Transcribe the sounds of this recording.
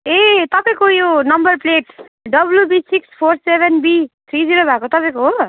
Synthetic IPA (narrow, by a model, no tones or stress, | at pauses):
et̪ʌpãj̃kojonʌmbʌrpleʈ | ɖʌblubisikspʰorsebʱenbit̪ʰɾid͡ziɾobʱakot̪ʌpaj̃koɦo